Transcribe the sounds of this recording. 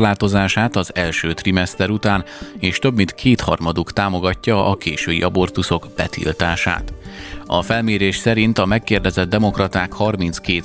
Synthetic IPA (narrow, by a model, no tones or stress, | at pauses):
laːt̪o̞zaːʃaːt̪ɒzɛlʃøːt̪rimɛst̪ɛɾut̪aːneːʃt̪øbmint̪kʰeːt̪hɒrmɒd̪ukt̪aːmo̞ɡɒcːɒɒkeːʃøːḭʔɒbo̞rt̪uso̞ɡb̥ɛt̪ḭlt̪aːʃa̰ːt̪ɒfɛlmeːɾeːʃsɛɾint̪ɒmɛkːeːrd̪ɛzɛd̪̚dːɛmo̞krɒt̪aːkhɒrmint̪skeːt̪